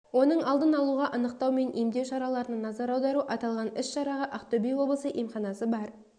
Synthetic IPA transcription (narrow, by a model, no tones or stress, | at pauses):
wo̞nəɴɑlˠd̪ənɑlˠuʁɑʔənəqt̪ɑwme̞nʔijmd̪e̞wʃɑɾɑlˠɑɾənənɑzɑɾɑwd̪ɑɾuʔɑt̪ɑlˠʁɑnɪsʃɑɾɑʁəʔɑqt̪obijwo̞blˠəsəʔimχɑnɑsəbɑɾ